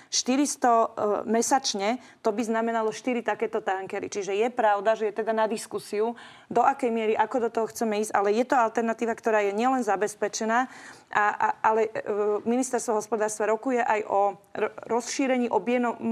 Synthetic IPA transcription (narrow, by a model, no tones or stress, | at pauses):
ʃt̪iɾist̪ɔmɛsat͡ʃɲɛ | t̪ɔbiznamɛnalɔʃt̪iɾit̪akɛːt̪ɔt̪aŋkɛɾḭt͡ʃiʒɛjɛpɾaʊd̪aʒɛjɛt̪ɛd̪anad̪iskusiu | d̪ɔʔakɛjmɪɛɾiʔakɔd̪ɔt̪ɔɦɔxt͡sɛmɛiːzɟʔalɛjɛt̪ɔalt̪ɛɾnat̪iːʋakt̪ɔɾaːjɛɲɪɛlɛnzabɛspɛt͡ʃɛnaː | ʔaʔalɛminist̪ɛɾst̪ʋɔɦɔspɔd̪aːɾst̪ʋaɾɔkujɛʔajʔɔɾɔsʃiːɾɛɲiːʔɔbjɛnɔ